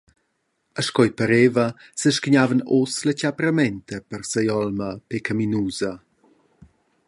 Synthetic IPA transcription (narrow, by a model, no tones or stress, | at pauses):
əʃkɔjpəɾeːvə | səʃkiɲavənoslət͡ɕapɾəmɛntʰəpərsəjɔlməpekaminuːzə